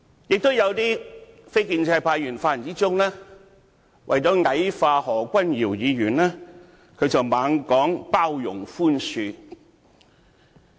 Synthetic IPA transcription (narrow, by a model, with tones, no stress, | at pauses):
jɪ˨k̚t̪ʊ˥wjɐ˨˧wt̪iː˥fe˥jkiː˧nt͡sʰɛː˧pʰaː˧jyː˨˩nfaː˧˩˨nt͡siː˥t͡sʊ˥ŋlɛː˥ | wʔɐ̰˨jt͡sɔː˨˥ŋɐ˨˥jfaː˧hɔː˨˩kʷɐ˥njiː˨˩wjiː˨˧ɥyː˨˩nlɛː˥ | kʰɵ˨˧ɥt͡sɐ˨wmaː˨˧ŋkɔː˨˥ŋpaː˥wjʊ̰˨˩ŋfuː˥nsyː˧